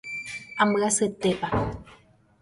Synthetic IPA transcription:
aməaset̪epa

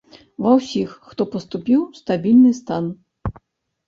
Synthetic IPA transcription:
vɐwsʲixːt̪ɔpɐst̪upʲiwst̪abʲilʲnɨst̪an

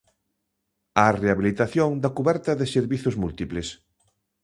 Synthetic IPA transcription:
areaβilit̪aθjoŋd̪ɐkuβɛɾt̪ɐðɪseɾβiθʊzmult̪iples

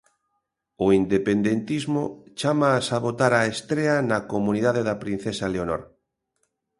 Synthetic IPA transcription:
oind̪epend̪ent̪izmot͡ʃamaːsaβot̪aɾaest̪ɾeanakomũniðaðeðapɾin̟θesaleonoɾ

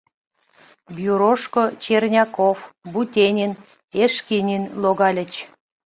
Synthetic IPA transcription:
bjuɾoʃkot͡ɕernʲɑkofbut̪ʲenʲin | eʃkinʲinloɣɑlʲət͡ɕ

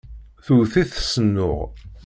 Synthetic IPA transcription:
θuθiθsənːʊʁ

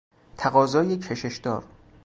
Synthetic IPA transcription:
t̪ʰæɣɒːzɒːjecʰeʃeʃd̪ɒːɾ

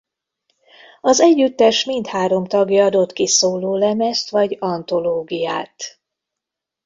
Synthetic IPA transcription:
ɒzɛɟːyt̪ːɛʃmint̪haːɾo̞mt̪ɒɡjɒɒd̪o̞t̪kisoːloːlɛmɛst̪ʋɒɟɒnt̪o̞loːɡijaːt̪

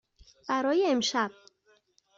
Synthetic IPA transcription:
b̥æɾɒːjeemʃæb̥̚

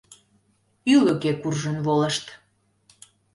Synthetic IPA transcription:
yləkekurʒənβolə̆ʃt̪

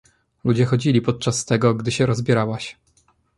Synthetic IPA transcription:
lud͡ʑɛxɔd͡ʑilʲipɔt̪̚t͡ʂast̪ɛɡɔɡd̪ɘɕɛɾɔzbʲjɛɾawaɕ

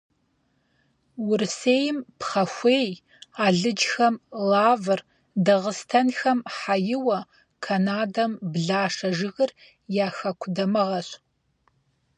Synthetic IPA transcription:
wʊrseːjɪmpχɐxʷeːj | aːɮɨd͡ʒxɐmlaːvɨr | dɐʁəstʰɐnxɐmħajɪwɐ | kʰɐnaːdɐmbɮaːʂɐʒɨɣɨr | jaːxɐkʷʰdɐmɨʁɐɕ

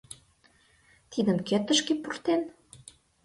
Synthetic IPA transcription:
t̪id̪ə̆mket̪ə̆ʃkepurt̪en

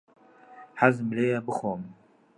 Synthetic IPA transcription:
hazmleːjɛbɨxoːm

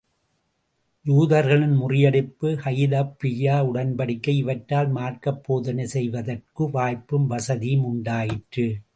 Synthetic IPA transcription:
juːðɐɾɣɐɭɪnmʊrɪjɐɽɪpːɯhɐjɪðɐpːɪjaːʊɽɐnbɐɽɪkːɐɪʋɐʈːaːlmaːrkɐpːoːðɐnɐsɛjʋɐðɐrkɯʋaːjpːɯmʋɐsɐðimʊɳɖaːjɪʈrɯ

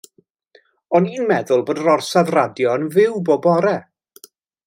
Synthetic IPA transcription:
ɔniːnmɛðʊlˠboːdəɾɔrsavradjɔnvɪwboːbɔɾɛ

